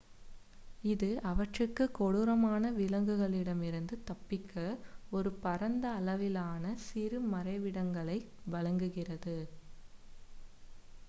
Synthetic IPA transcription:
ɪðɯʔɐʋɐʈrɯkːɯkɔɽɯɾɐmaːnɐʋɪlɐŋɡɯɣɐɭɪɽɐmɪɾɯnd̪ɯt̪ɐpːɪkʰːɐɔɾɯpɐɾɐnd̪ɐːlɐʋɪlaːnɐsɪɾɯmɐɾɐɪʋɪɽɐŋɡɐɭɐɪ | ʋɐɻɐŋɡɯɣɪrɐðɯ

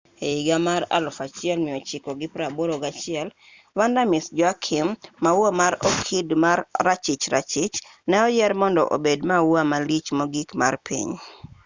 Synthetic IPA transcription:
eiɡamaɾa̰lʊfat͡ʃɪɛlmɪɔt͡ʃɪkɔɡɪpɾaboɾoɡat͡ʃɪɛl | wandamɪsd͡ʒwakʰɪmːawamaɾɔkʰidmarːat͡ʃit͡ʃɾa̰t͡ʃɪt͡ʃnɛɔjɛɾmɔndɔ̰ʔo̰bedmawamalit͡ʃmoɡikma̰rpʰḭɲ

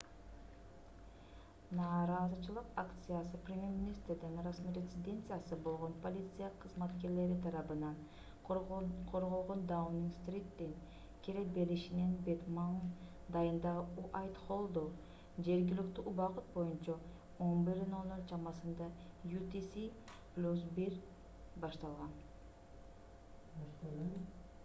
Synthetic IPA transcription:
nɑːɾɑːzɯt͡ʃɯlˠɯqakt̪sɨjasɯprʲemʲje̞ɾmʲɪnʲist̪ɾd̪inrasmiɾʲet̪ʲsɪd̪ʲe̞nt̪sɨjasɯbo̞lˠʁo̞npo̞lʲit̪sɨjaqʰɯzmɑt̪ke̞ɾle̞ɾit̪ʰɑɾɑbɯnɑn | qʰo̞ɾʁo̞lˠʁo̞nd̪awmniŋst̪rʲit̪ːiŋ | kʲʰeɾek̚be̞ɾiʃinenbet̪man | d̪ɑjɯnd̪ɑʁɯuʔɑjt̪χolˠd̪ow | d͡ʒe̞ɾɡilykt̪yʔubɑqut̪̚bo̞junt͡ʃɑ | onbiɾno̞moɾt͡ʃɑmɑsɯnd̪ɑjut̪isi | plʲusbiɾ | bɑʃt̪ɑlˠʁɑn | t̪

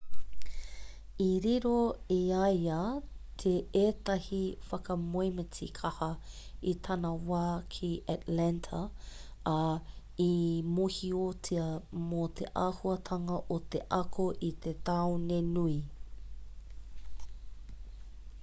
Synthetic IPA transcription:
iɾiɾoiɐjɐt̪ʰeeːtɐhifɐkɐmojmət͡sḭkʰɐhɐit̪ʰɐnɐwaːkʰiʔatlɛntʰɐ | imuhiot͡siɐmot̪ʰḛʔaːhuɐt̪ʰɐŋɐʔot̪eʔɐkʰoʔit̪et̪ɐwnenui

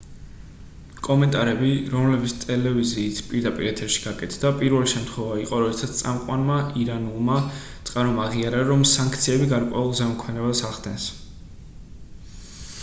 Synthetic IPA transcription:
kʼɔmɛnt̪ʼaɾɛbiɾɔmlɛbit̪sʰt̪ʼɛlɛviziːt̪ʰpʼiɾd̪apʼḭɾɛt̪ʰɛɾʃi̥ɡ̥akʼɛt̪ʰd̪̥apʼiɾvɛliʃɛmt̪ʰχwɛvaiqʼɔɾɔd̪ɛsat̪st̪ʼamqʼwanmaʔiɾanulˠmat̪sʼqʼaɾɔmaʁiaɾaɾɔmsãŋkʰt̪sʰiɛbiɡaɾkʼwɛulˠzɛmɔkʰmɛnɛbasaʁd̪ɛns

